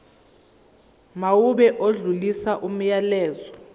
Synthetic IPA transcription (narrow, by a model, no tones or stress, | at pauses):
mauɓɛʔoɮulisaʔum̩jalɛːzɔ